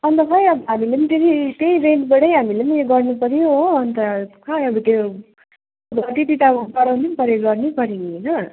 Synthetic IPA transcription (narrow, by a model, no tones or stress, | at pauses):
ʌnt̪ʌpʰʌjʌbʌɦamilenit̪et̪ʰit̪eiɾenʈbaʈʌjɦamilemieɡʌrnupʌɾjoʌnt̪ʌkʰaʌbʌt̪e | ʌbʌʈ̪iʈiʈ̪apʌɽawnipʌɾeɡʌrnipʌɾininʌ